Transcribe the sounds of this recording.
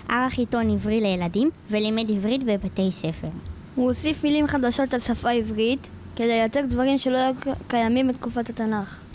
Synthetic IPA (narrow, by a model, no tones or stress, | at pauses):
ʔaʁaχito̞nivʁilejeladimvelimedivʁitbebate̞jse̞fe̞ʁ | huosifmilimχadaʃo̞tlesafaivʁit | ke̞dejateʁdvaʁimʃe̞lojajukajamimbetkufatatanaχ